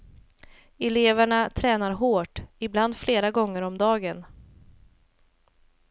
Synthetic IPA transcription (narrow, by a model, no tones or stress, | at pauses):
ɛleːvəɳat̪ʰɾɛːnaɾɦoːʈɪbland̪fleːɾaɡɔŋːəɾɔmd̪ɑːɡən